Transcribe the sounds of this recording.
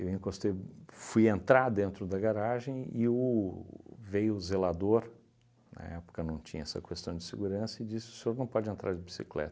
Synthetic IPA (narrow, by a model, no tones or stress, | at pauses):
ewẽkõst̪efujẽnt̪ɾaɾd̪ẽnt̪ɾʊd̪ɐɡaɾaʒẽj̃ɪʊ | vejʊzelad̪oɾ | nɐ̰ɛpʊ̥kɐnɐ̃w̃t͡ʃĩɲɐɛsɐ̰kest̪ɐ̃w̃d͡ʒɪseɡuɾɐ̃sɐɪd͡ʒisɪʊ̥seoɾnɐ̃w̃pɔd͡ʒɪẽnt̪ɾʔa̰ɾd͡ʒɪbisiklɛ̰t̪ɐ̥